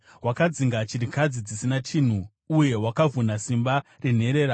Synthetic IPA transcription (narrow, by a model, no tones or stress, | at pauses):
wakad͡ziŋɡat͡ʃirikad͡zid͡zisinatʰiːn̤u | uje̞wakavunasimbaren̤e̞ɾe̞ːɾa